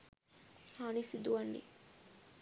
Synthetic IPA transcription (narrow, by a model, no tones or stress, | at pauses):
hanisid̪uanːḭ